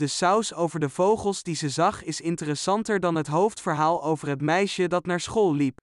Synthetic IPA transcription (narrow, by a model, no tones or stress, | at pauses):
dəsawsowvəɹdəvowχəlˠzdizəzɑχɪsɪntərəsɑntəɹdɑnɦətɦowftfəɹɦaːlˠowvəɹɦətmɛjʃədɑtnaːɹsχoːlˠlip